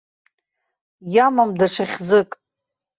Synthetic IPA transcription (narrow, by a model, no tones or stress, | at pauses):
jamamdaʂaχʲd͡zɨkʼ